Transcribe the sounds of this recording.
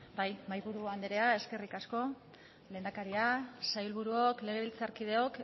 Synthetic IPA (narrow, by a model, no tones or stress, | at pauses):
bajmajβuɾuand̪eɾe̞ae̞ske̞rikasko̞ | leːnd̪akaɾiasajulβuɾuo̞kle̞ɣ̞e̞βilt͡saɾkið̞e̞o̞k